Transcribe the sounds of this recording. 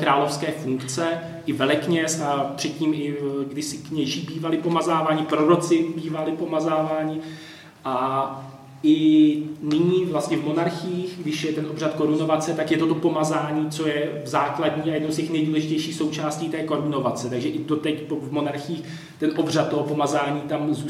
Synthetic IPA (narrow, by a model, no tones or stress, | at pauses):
kɾaːlo̞fskɛːfuŋkt͡sɛ | ʔɪvɛlɛkɲɛsapr̝̥ɛt̪̚cːiːmɪɡdɪsɪkɲɛʒiːbiːvalɪpo̞mazaːvaːɲɪpɾo̞ɾo̞t͡sɪbiːvalɪpo̞mazaːvaːɲɪ | ʔa | ʔɪ | nɪɲiːvlast̪ɲɛvmo̞naɾxɪjiːxɡdɪʃjɛt̪ɛnʔobr̝at̪ko̞ɾunovat͡sɛt̪akjɛt̪ot̪o̞po̞mazaːɲiːt͡so̞jɛvzaːkladɲiːajɛdnowscɛxnɛjduːlɛʒɪcɛjʃiːxso̞wt͡ʃaːsciːt̪ɛːko̞ɾuno̞vat͡sɛt̪aɡʒɛʔɪd̪ot̪ɛcpovmo̞naɾxɪiːx | t̪ɛnʔo̞br̝at̪tːoɦopo̞mazaːɲiːt̪amzu